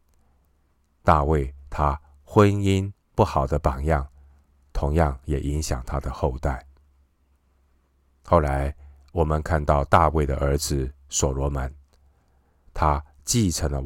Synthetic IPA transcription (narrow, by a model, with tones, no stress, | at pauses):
t̪a˥˧we˥˩ɪt̪ʰa˥ | xwə˦˥ni˥n | pu˥˩xɑ˨˩ʊd̪ə˦pɑ˨˩ŋjɑ˥˩ŋ | t̪ʰʊ˧˥ŋjɑ˥˩ŋjɛ˨˩ʔi˧˥ŋɕjɑ̰˨˩ŋt̪ʰa˥d̪ə˨xo˥˧ʊt̪a˥˩ɪ | xo˥˩ʊla˧˥ɪ | wɔ˨˩mə˧˦nkʰa˥˧nt̪ɑ˥˧ʊt̪a˥˧we˥˩ɪd̪ə̰˩ʔə˞˧˥d͡zɹ̩˨sɔ˨˩lwɔ˧˥mə˧˦n | t̪ʰa˥ | t͡ɕi˥˩ʈ͡ʂʰə˧˥ŋlə˧